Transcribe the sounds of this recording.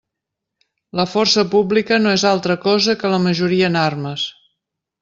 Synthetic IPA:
ləfɔrsəpublikənoezalˠt̪ɾəkɔzəkələməʒuɾiəːnarməs

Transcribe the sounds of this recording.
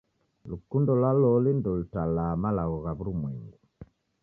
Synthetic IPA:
lukundɔlwalɔlindɔlutalamalaɣɔɣaβuɾumwɛŋɡu

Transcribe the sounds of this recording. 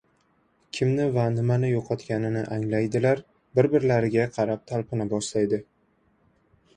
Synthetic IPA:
kʲʰɪmnɪvanɪmanɪjoqʰɒt̪kʲanɪnɪʔaŋlajd̪ɪlaɾ | bɪɾbɪɾlaɾɪɡʲaqʰɑɾap̚t̪ʰalˠpʰɪnabɒʃlajd̪ɪ

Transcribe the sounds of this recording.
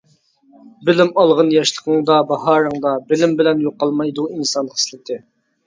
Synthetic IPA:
bɪlɪmɑlˠʁənjɑʃlˠəqʰəŋd̪ɑbɑɦɑɾəŋd̪ɑbɪlɪmbɪlɛnjoqːɑlˠmɑjd̪uinsɑnəχə̥slˠɪt̪ʰɪ

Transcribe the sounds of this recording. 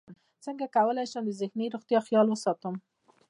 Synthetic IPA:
səŋɡakawəlajʃəmd̪əzɪxniɾoɣt̪jɑxjɑlwəsɑt̪əm

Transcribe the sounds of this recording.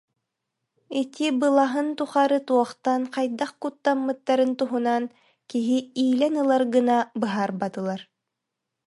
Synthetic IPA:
it̪ibɯlˠaɦɯnt̪uχaɾɯt̪uɔχt̪anqɑjd̪aχkut̪ːamːɯt̪ːaɾɯnt̪uɦunan | kiɦiiːlɛnɯlˠaɾɡɯnabɯɦaɾbat̪ɯlˠaɾ

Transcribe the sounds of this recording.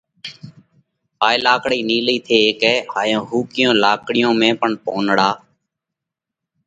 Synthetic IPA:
paːelaːkɽiːniːliːt̪ʰeːkɛːhaːjõːɦuːkɪjõːlaːkɽɪjõːmẽːpəɳpõːnɽaː

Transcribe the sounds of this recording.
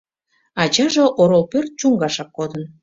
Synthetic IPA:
ɑt͡ɕɑʒoʔoɾolpørt̪̚t͡ɕuŋɡɑʃɑk̚kod̪ən

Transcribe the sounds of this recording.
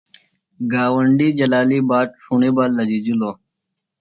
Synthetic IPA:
ɡaːwəɳɖiːd͡ʑɐlaːliːbaːʈ̚ʂuɳeːbaːlːɐd͡ʑid͡ʑiloː

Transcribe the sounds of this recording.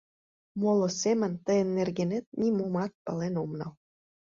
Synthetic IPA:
molosemə̆nt̪ə̆jə̆nːerɣenet̪̚nʲimumɑt̪̚pɑlenomnɑl

